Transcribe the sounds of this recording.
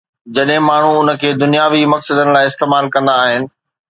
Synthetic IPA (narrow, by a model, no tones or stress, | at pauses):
d͡ʑɐɗɦɪ̃maːɳ̤uʊnə̆kʰeːd̪ʊnijaːʋimɐksəd̪ənɪ̆laːɪɪst̪eːmaːlkɐ̃nd̪aːɦɪnɪ̆